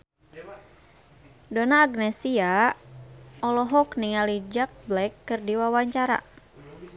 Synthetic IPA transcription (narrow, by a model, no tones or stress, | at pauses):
donaːɡnɛsia | ɔlɔɦɔkniŋalid͡ʒak̚blɛkːɨrdiwawaɲt͡ʃaɾa̰